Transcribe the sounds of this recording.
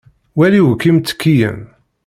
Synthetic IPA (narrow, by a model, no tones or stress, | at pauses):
wæliwkːimt̪ːə̥kːijə̰n